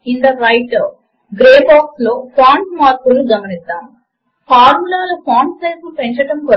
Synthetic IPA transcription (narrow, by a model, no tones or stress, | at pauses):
ind̪ɐɾɐjʈɐ | ɡɾeːbaːkslo̞ːpʰaːɳɖmaːɾpuluɡɐmɐnisd̪aːm | pʰaːɾmulaːlɐpʰaːɳɖseːslupeɲt͡ʃɐʈɐmko